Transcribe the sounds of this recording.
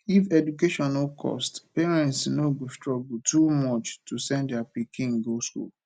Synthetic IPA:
ifɛdukeʃɔ̃nokʰɔ̰stpeɹɛ̃ntsnoɡostɹɔɡutumɔt͡ʃtusɛ̃ndapikĩŋ̩ɡoskṵl

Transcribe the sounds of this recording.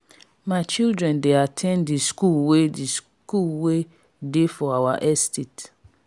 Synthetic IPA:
mãɪt͡ʃildɾɛ̃ndeatʰɛ̃nddiskulwedis | kulwe | defɔawaʔɛstʰet

